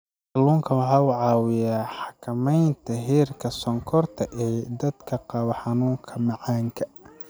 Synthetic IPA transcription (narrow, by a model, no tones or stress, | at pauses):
ɑluːŋkʰɐwɑħɑːʊʕɑːwɪjaːħɑkʰɐmɛjnt̪ʰɐɦiːrkʰɐsɔŋkʰɔrt̪ʰɐʔɛːd̪ɐd̪kʰɐqɑwɐħɑnuːŋkʰɐmɐʕɑːŋkʰɐ